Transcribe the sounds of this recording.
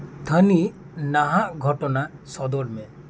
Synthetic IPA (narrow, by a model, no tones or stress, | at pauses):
t̪ʰəni | naɦaʔɡʱɔʈɔnasɔd̪ɔɾmɛ̃